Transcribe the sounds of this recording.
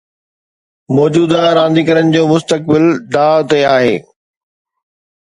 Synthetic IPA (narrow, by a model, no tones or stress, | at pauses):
mɔːd͡ʑuːd̪aɾãːnd̪iːkɐɾənɪ̆d͡ʑoːmʊst̪ək̚bɪld̪aːt̪eaːɦeː